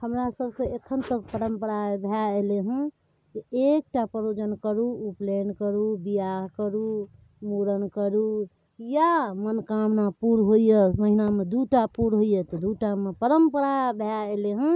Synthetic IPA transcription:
həmɾasəbʱkeekʰənt̪əkpəɾəmpəɾabʱjaeleɦə̃ | t̪ɔek̚ʈapəɾod͡ʒənkəɾuuplenkəɾubijaɦkəɾu | muɾənkəɾu | jamənkamnapuɾɦoijeməɦinamed̪uʈapuɾɦoijet̪ɔd̪uʈamepəɾəmpəɾabʱjaeleɦə̃

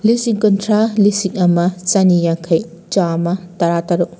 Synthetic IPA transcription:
lisiŋkɔntʰɾalisiŋɐmɐt͡ʃanijaŋkʰɐj | t͡ʃamɐtɐɾataɾu

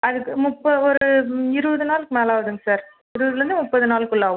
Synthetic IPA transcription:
ɐðɯkːɯmʊpːɐɔɾɯɪɾɯʋɐðɯnaːlɯkːɯmeːlaːʋɐðɯŋɡɐsaːɾ | ɪɾɯʋðɪɾɯnd̪ɯmʊpːɐðɯnaːlkːɯɭːaːʋʊ̃

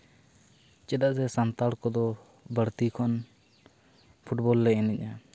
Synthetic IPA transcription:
t͡ʃɛdaʔzɛsant̪aɽkɔd̪ɔ | bəɽt̪ikʰɔn | pʰuʈbɔlːɛɛnɛɲa

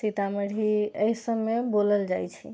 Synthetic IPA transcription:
sit̪aməɽʱiəisəbːeboləld͡ʒajt͡ʃʰḭ

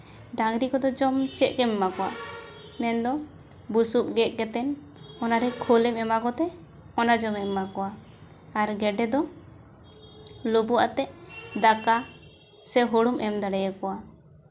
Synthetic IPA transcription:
ɖaŋɾikɔd̪ɔd͡ʒɔmt͡ʃɛʔ̚kɛmɛmakɔwa̰ | mɛnd̪ɔ | busuʔ̚ɡɛʔkɛt̪ɛn | ɔnaɾɛkʰolɛmɛmakɔt̪ɛ | ɔnad͡ʒɔmɛakɔwa | aɾɡɛɖɛd̪ɔ | lobua̰ʔt̪ɛʔd̪aka | sɛɦoɽumʔɛmd̪aɽɛjakɔwa

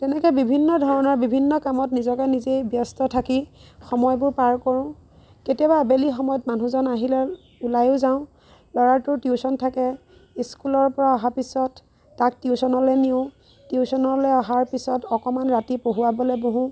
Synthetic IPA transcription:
tɛnɛkɛbibʱinːɔdʱɔɹɔnɔɹbibʱinːɔkamɔtnizɔkɛnizejbjɔstɔtʰakixɔmɔjbʊɹpaɹkɔɹɔ̃ | ketiɔbabelixɔmɔjɔtmanʱuzɔnaɦilɛ | ulajʊzaʊ̃ | lɔɹaɹtʊɹtiusɔntʰakɛ | iskulɔɹpɔɹaɔɦapisɔtː | ak̚tiusɔnɔlɛniʊ̃ | tiusɔnɔlɛɔɦaɹpisɔtɔkɔmanɹatipoɦuwabɔlɛboɦũ

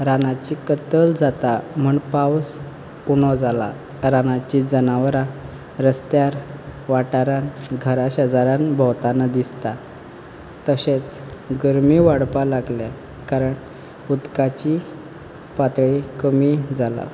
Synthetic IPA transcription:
ɾanat͡ɕikət̪əld͡zat̪am̤əɳpaws | uɳ̃ɔd͡zala̰ | ɾanat͡ɕid͡zənaʋɾa | ɾəst̪jaɾʋaʈaɾanɡʱəɾaɕad͡zaɾanbʱɔwt̪anad̪ist̪a | t̪əɕẽt͡s | ɡəɾmiʋaɽpalaɡlja | kaɾəɳ | ud̪kat͡ɕi | pat̪ɭikəmid͡zala̰

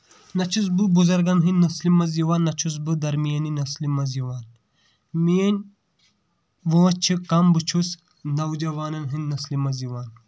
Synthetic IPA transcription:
nɐt͡ʃʰus̬bɨbuzɐɾɡɐnɦɨnːɐslimɐziʋaːnːɐt͡ʃʰus̬bɨd̪ɐɾmijɐninɐslimɐziwaːn | mijɐnʲ | ʋoːt͡ʃʰikɐmbɨt͡ʃʰus | nɐwd͡ʒɐwaːnɐnɦinːɐslimɐziwaːn

